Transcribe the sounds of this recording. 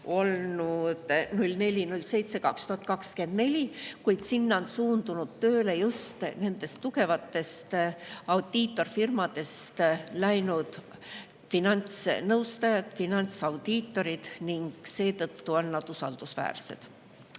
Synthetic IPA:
o̞lnud̪̥nulʲne̞lʲinulʲːse̞jt̪se̞kɑkst̪uhɑt̪̚ˑkɑkske̞nd̪ne̞lʲikujd̪̥sinːonsuːnd̪̥unud̪̥t̪ø̞ːle̞just̪ne̞nd̪e̞st̪ːuke̞vɑt̪ːˑe̞st̪ɑwd̪̥it̪ːˑo̞rfirmɑd̪̥e̞st̪læjnud̪̥ | finɑnʲt̪snɤwst̪ɑjɑd̪̥finɑnʲt̪sɑwd̪̥iːt̪ːo̞ɾid̪̥niŋɡ̥se̞ːt̪ɤt̪ːuo̞nːɑd̪̥usɑ̰ld̪̥usvæ̰ːrse̞̰d̪̥

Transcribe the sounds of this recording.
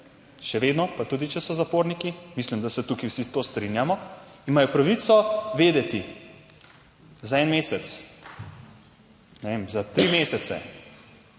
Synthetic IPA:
ʃɛʋeːd̪nɔpat̪ud̪it͡ʃɛsɔzapoːɾnikimislimd̪asɛt̪ukiwsit̪oːst̪ɾinjamɔ | imajɔpɾaʋit̪sɔʋeːd̪ɛt̪i | zaɛnmeːsɛt̪s | nɛʋemzat̪ɾimesɛt̪sɛ̰

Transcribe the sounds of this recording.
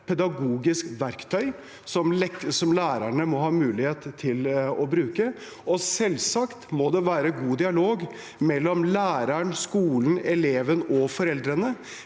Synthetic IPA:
pʰɛd̪ɑɡuːɡɪskʋæɾkt̪ʰœʏ | sɔmɛsɔmlæːɾæɳəmɔɦɑːmʉːlɪheːt̪ʰːɪlɔbɾʉːkə | ɔsɛlsɑkt̪mod̪ɛʋæːɾəɡuːd̪ɪɑloːɡ | mɛlːɔmlæːɾæɳskuːln̩ɛleːʋənɔfɔɾɛld̪ɾənə

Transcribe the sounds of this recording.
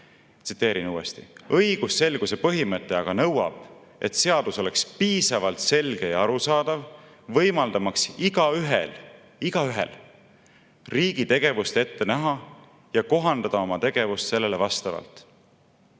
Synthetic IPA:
t̪si̥t̪ːˑeːɾinuːest̪ḭɤjɡ̥usːe̞lɡ̥use̞pɤɦimɤt̪ːˑe̞ɑɡ̥ɑnɤwɑ̰b̥ | e̞t̪se̞ɑd̪̥uso̞le̞kspiːsɑvɑlt̪se̞lɡ̥e̞jɑɑɾusɑːd̪̥ɑv | vɤjmɑld̪̥ɑmɑksiɡ̥ɑyɦel | iɡ̥ɑyɦḛl | riːɡ̥it̪e̞ɡ̥e̞vust̪e̞t̪ːe̞næɦɑ | jɑko̞ɦɑnd̪̥ɑd̪̥ɑo̞mɑt̪e̞ɡ̥e̞vust̪se̞lːelevɑst̪ɑvɑ̰lt̪ˑ

